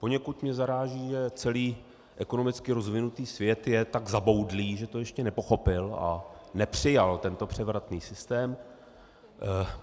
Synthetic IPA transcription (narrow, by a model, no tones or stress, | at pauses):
po̞ɲɛkut̪mɲɛzaɾaːʒiːʒɛt͡sɛliː | ʔɛko̞no̞mɪt͡skɪɾo̞zvɪnut̪iːsvjɛt̪jɛt̪aɡzabo̞wdliːʒɛt̪o̞jɛʃcɛnɛpo̞xo̞pɪla̰nɛpr̝̥ɪjalt̪ɛnt̪o̞pr̝̥ɛvɾat̪niːsɪst̪ɛːm